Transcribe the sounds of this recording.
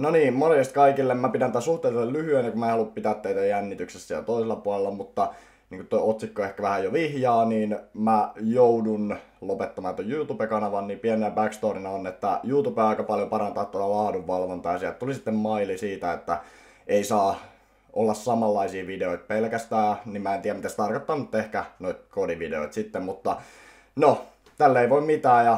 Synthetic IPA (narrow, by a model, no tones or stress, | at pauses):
noniːmmonest̪kɑikilːemmæpit̪ænit̪ːæsuht̪eˑlt̪ellyhyenːikumæeˑhɑlːuppit̪æt̪ːeit̪æjænːit̪yksesːæjɑ̰t̪oiselːɑpuɑlelːɑmut̪ːɑ | niːŋkut̪t̪ojot̪sikːoehkæʋæhæjoʋihjɑːniːnmæjoudunlopet̪ːɑmɑːnt̪ojjuːt̪upekɑnɑʋɑnniːpienenæbækst̪oːrinɑonet̪ːæjuːt̪upeɑikɑpɑljopɑɾɑnt̪ɑːt̪ːot̪ɑlɑːduʋːɑlʋont̪ɑjɑsiælt̪t̪ulisit̪ːemmɑilisiːt̪æet̪ːæ | eisɑː | ʔolːɑssɑmɑlːɑisiːʋideoit̪̚pelkæst̪æːnimæˑent̪iːjæmit̪æst̪ɑrkot̪ːɑːnut̪t̪ːehkænoit̪̚kodiʋidḛo̰it̪sit̪ːemmut̪ːɑ | no | t̪ælːeiʋoimmit̪æːjɑ